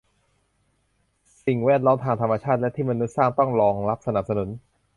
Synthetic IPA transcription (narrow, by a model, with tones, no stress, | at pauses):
si˨˩ŋwɛː˥˩t̪̚lɔː˦˥mt̪ʰaː˧ŋt̪ʰa˧mːa˧t͡ɕʰaː˥˩lɛ˦˥t̪ʰiː˥˩ma˧nːu˦˥t̪̚saː˥˩ŋt̪ɔ˥˩ŋɾɔː˧ŋla˦˥p̚sa˧na˨˩p̚sa˧nu˩˦n